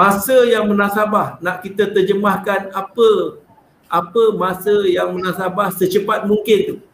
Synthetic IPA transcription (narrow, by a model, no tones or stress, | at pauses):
masəjaŋmənãsabahnãʔkit̪ət̪ərd͡ʒəmahkanapə | ʔapəmasəjaŋmənasabahsət͡ʃəpat̪̚muŋkɪnt̪u